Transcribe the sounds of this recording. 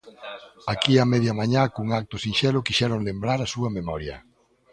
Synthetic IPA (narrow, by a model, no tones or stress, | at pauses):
akiamɛðjɐmaɲakuŋak̚t̪ʊsinʃɛlʊkiʃɛɾoŋlembɾaɾasuɐmemɔɾjɐ̰